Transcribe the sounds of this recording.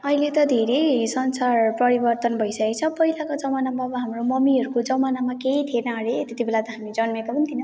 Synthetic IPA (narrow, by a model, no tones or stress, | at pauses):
ʌilet̪ʌd̪ʱeɾejsʌnsarpʌɾibʌrt̪ʌnbʱʌjsʌket͡sʰʌpʌɦilakod͡zʌmanamaʌbʌɦamromʌmiɦʌɾukod͡zʌmanamakeit̪ʰienʌaɾet̪et̪ibelat̪ʌɦamid͡zʌnmekobʌnit̪ʰinʌ